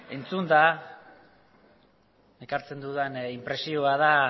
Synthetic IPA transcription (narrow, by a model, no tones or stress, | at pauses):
e̞nt͡sund̪a | ekaɾt͡se̞nd̪uðenimpɾe̞sioaða